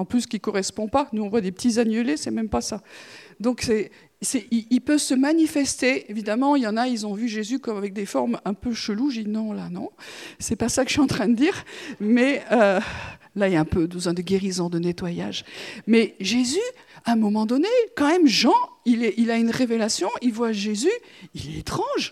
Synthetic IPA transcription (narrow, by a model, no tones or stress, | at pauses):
ɑ̃plyskʲikɔʁɛspɔ̃panuɔ̃vwad̪epət̪izanjølesɛmɛmpasad̪ɔ̃ksɛ | sɛʔiilpœvsəmanifɛst̪eevid̪amɑ̃ljɑ̃nailzɔ̃vyʒezykɔmavɛk̚d̪efɔʁmɛ̃pøʃəluʒinɔ̃lanɔ̰̃sɛpasakə̥əʃɥiɑ̃t̪χɛ̃d̪əd̪iːʁmɛø | lailaɛ̃pøbəzwɛ̃d̪əɡʲeʁizɔ̃d̪ənet̪waja̰ʒmɛʒezyãɛ̃mɔmɑ̃d̪ɔnekɑ̃mɛmʒɑ̃ilɛʔilaynʁevelasjɔ̃ilvwaʒezy | ilɛet̪χɑ̃ʒ